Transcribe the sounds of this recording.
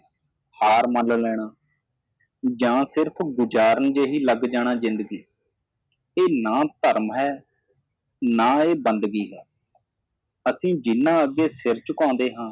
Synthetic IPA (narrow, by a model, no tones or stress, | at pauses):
haːɾməllɛːɽaː | d͡ʒãːsɪɾpʰɡʊd͡ʒaːɾənd͡ʒeːɦiːləɡd͡ʒaːɽ̃aːzɪ̃nd̪əɡiː | eːnaːt̪əɾmɦɛː | naːeːbənd̪ɡiːɦɛː | əsĩːd͡ʒɪnːãːəɡːeːsɪɾt͡ʃəkãːnd̪eːɦãː